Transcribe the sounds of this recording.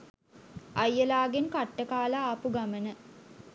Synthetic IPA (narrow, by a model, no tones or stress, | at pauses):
ajːəlaːɡenkaʈːəkaːlaːpuɡamənə